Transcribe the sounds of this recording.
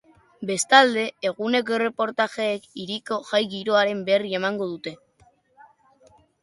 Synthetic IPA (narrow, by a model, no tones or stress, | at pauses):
be̞st̪ald̪e̞ːɣune̞k̬ore̞po̞ɾt̪aʝe̞ːkiɾiko̞ʝajɣiɾo̞aɾe̞mbe̞rie̞maŋɡo̞ðut̪e̞